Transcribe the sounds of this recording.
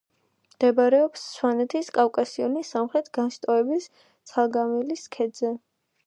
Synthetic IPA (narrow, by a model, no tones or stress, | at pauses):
md̪̥ɛbaɾɛɔpsːwanɛt̪ʰiskʼafkʼasiɔnisamχɾɛt̪ʰɡanʃt̪ʼɔɛbis | t̪sʰalˠɡamiliskʰɛd̪zɛ